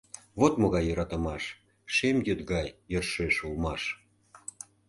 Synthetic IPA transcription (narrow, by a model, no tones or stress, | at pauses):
βot̪moɣɑjːəɾɑt̪ə̆mɑʃ | ʃemjøt̪ɣɑjːørʃeʃulmɑʃ